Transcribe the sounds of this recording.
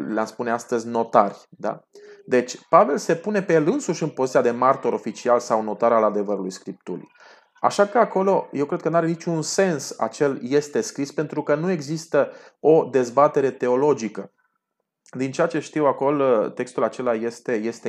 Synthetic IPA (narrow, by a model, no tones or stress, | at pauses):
leamspuneast̪əzʲno̞t̪arʲd̪a̰d̪e̞t͡ʃʲpave̞lse̞pune̞pejelɨnsuʃɨnpo̞zit̪ijad̪e̞mart̪o̞ɾo̞fit͡ʃialsawno̞t̪aɾalad̪e̞vəɾulujskɾip̚t̪ṵlḭ | a̰ʃakəako̞lo̞je̞wkɾe̞d̪̚kənuaɾe̞nit͡ʃʲunse̞nsa̰t͡ʃe̞lje̞st̪e̞skɾispe̞nt̪ɾukənue̞ɡzist̪əo̞d̪e̞zbat̪e̞ɾe̞t̪e̞o̞lo̞d͡ʒikə | d̪int͡ʃe̞at͡ʃe̞ʃt̪iwako̞lt̪e̞kst̪ulat͡ʃe̞laje̞st̪e̞je̞st̪e